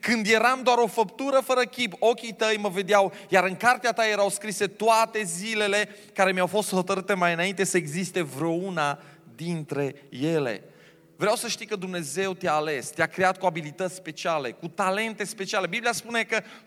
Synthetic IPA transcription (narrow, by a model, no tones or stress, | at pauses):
kɨnd̪je̞ɾamd̪oaɾo̞fəpt̪uɾəfəɾəkʲipo̞kʲit̪əjməve̞d̪eawjaɾɨŋkart̪eat̪aje̞ɾawskɾise̞t̪oat̪e̞zile̞le̞ | kaɾe̞mjawfo̞st̪ho̞t̪əɾɨt̪e̞majɨnaint̪e̞səeɡzist̪e̞vɾeouna | d̪int̪ɾe̞je̞le̞̰ | vɾeawsəʃt̪ijkəd̪umne̞ze̞wt̪eaːle̞st̪eakɾe̞at̪̚kuabilit̪ət̪sʲspe̞t͡ʃiale̞̰kut̪ale̞nt̪e̞spe̞t͡ʃiale̞biblijaspune̞kə